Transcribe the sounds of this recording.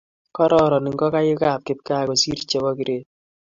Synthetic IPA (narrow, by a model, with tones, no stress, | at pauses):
kɔ˦ɾɔ˦˨ɾɔ˨nɪ˨ŋɡɔ˦ka˦jɪ˦ka˦˨p̚kɪ˨˦p̚ka˦˨ɡo˨si˦ɾt͡ʃe˨˦wɔ˦ki˦ɾʔe˦˨